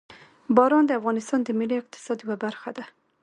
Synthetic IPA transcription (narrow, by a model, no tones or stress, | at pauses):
bɑɾɑnd̪əafɣɑnɪst̪ɑnd̪əmɪliɪq̚t̪ɪ̥sɑd̪jawabaɾxad̪a